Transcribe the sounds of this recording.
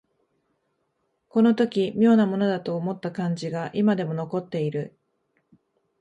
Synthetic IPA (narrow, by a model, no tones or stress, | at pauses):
ko̞no̞t̪o̞kʲimʲjo̞ːnamo̞no̞d̪at̪o̞ːmo̞t̪ːakãɲ̟d͡ʑiɡaʔimad̪e̞mo̞no̞ko̞t̪ːe̞iɾɯ̟